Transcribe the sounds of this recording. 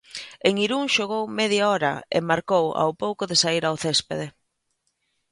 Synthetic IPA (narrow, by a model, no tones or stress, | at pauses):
eŋiɾuŋʃoɣ̞owmɛðjaɔɾɐ̰ḛmaɾkowa̰wpowkʊðesaiɾawθespeðe